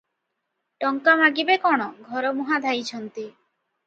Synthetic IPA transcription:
ʈɔŋkamaɡibekɔɽ̃ɔɡʱɔɾɔmuɦad̪ʱajt͡ʃʰɔnt̪i

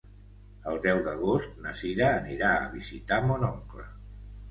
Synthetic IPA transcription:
əlˠd̪ɛwðəɣ̞ost̪nəsiɾəːniɾaə̰β̞izit̪amonɔŋklə̰

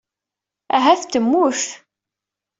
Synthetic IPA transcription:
æ̰ɦæθt̪ːəmːuʃ

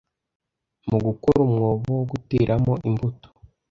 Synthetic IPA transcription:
muɡukoɾumŋoːβoɡutiːɾʔamoʔimbuto̥

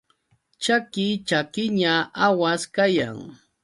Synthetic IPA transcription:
t͡ʃakɪt͡ʃakɪɲaawaskaja̰ŋ

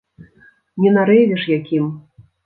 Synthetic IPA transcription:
nʲɛnaɾɛvʲɛʂjakʲim

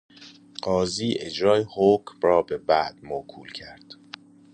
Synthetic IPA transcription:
ɢ̥ɒːziːʔe̞d͡ʒɾɒːjehoːcmrɒːbe̞bæʔd̪̥̚mokʰṵːlcʰæɾd̪̥

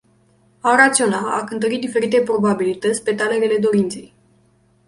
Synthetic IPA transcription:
aɾat̪sio̞naakɨnt̪əɾid̪ife̞ɾit̪e̞pɾo̞babilit̪ət̪sʲpe̞t̪ale̞ɾe̞le̞d̪o̞ɾint̪se̞j

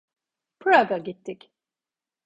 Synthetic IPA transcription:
pʰɾaɡaɟit̪ʰːic

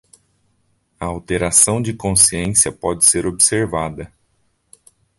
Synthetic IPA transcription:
ɐawt̪eɾasɐ̃w̃d͡ʒɪkõsiẽsiɐpɔd͡ʒɪseɾobseɾvad̪ɐ

